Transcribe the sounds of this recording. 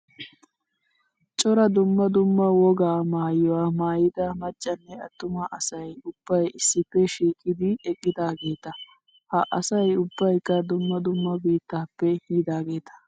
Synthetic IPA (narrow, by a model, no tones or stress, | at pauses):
t͡ʃʼɔɾɐd̪ʊmːɐd̪ʊmːɐwɔɡaːmaːjɔwaːmaːjɪd̪ɐmɐt͡ʃʼːɐnːɛɐt̪ːʊmɐʔɐsɐjʊb̥ːɐjɪsːɪpːɛʃiːkʼːɪd̪ɪɛkʼːɪd̪aːɡe̞ːt̪ɐ | hɐʔɐsɐjʊbːɐjkːɐd̪ʊmːɐd̪ʊmːɐbiːt̪ːaːpːɛhiːd̪aːɡe̞ːt̪ɐ̥